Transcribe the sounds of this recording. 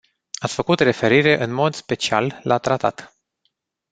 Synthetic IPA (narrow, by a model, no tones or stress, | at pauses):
at̪sʲfəkut̪re̞fe̞ɾiɾe̞ʔɨnmo̞d̪spe̞t͡ʃia̰lːat̪ɾat̪a̰t̪